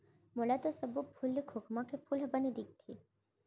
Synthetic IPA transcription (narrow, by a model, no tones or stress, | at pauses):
molat̪osəbupʰulːikʰokmãkepʰulɦəbanid̪ik̚t̪ʰi